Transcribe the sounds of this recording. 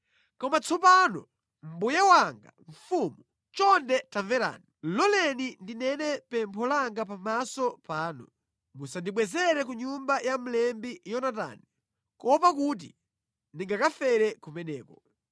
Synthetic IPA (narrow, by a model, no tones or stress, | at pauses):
kɔmat͡sɔpanɔ̰ | m̩bujawaŋɡa̰ɱ̩fumu | t͡ʃɔndɛtaɱvɛɾa̰ːnilɔlɛnindinɛnɛpɛmpʰɔlaŋɡap̬amasɔpaːnu | musandiɓwɛzɛɾɛk̬uɲumbajam̩lɛmbijɔnata̰ːni | kɔpak̬ut̬i | ndiŋɡakafɛɾɛkumɛnɛːkɔ